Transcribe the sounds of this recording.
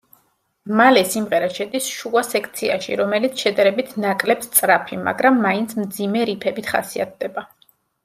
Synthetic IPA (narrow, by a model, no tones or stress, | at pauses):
malɛsimʁɛɾaʃɛd̪isʃuasɛkʰt̪sʰia̰ʃḭɾɔmɛlit̪sʰʃɛd̪aɾɛbit̪ʰnakʼlɛpst̪sʼɾapʰima̰ɡɾamːaint̪sʰmd̪zimɛɾipʰɛbit̪ʰχa̰sia̰t̪̚ʰd̪ɛba